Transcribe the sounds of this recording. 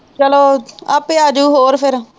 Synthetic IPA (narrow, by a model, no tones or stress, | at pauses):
t͡ʃəloːəpeaːd͡ʒuːɦoːɾpʰɪɾ